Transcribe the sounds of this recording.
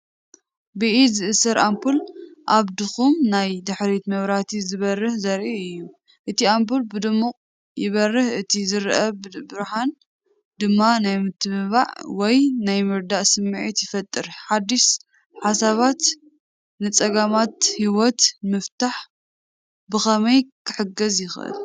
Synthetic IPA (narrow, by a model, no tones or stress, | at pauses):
bɨʔizɨʔɨsɐɾʔampʰulʔaβd̪ɨxumnajd̪ɨħɾit̪mɐβɾat̪ʰizɨβɐrːɨhzɐɾʔiɨjːu | ʔɨt̪ʰiamp̬ʰulbɨd̪ɨmːuqʼ | jɪβɐrːɨhɨt̪ʰizɨɾʔɐbɨɾħan | d̪ɨmːanajmɨt̪ʰːɨβɨβa̰ʕwɔjnajmɨɾd̪aʔsɨmːʕit̪jɪfɐt̪ʼːɨɾħad̪ːiʃ | ħasaβat̪ | nɨt͡sʼɐɡamat̪hiwɔt̪mɨft̪aħ | bɨxɐmɐjkʰɨħɨɡɐzjɪxʔɨ̰l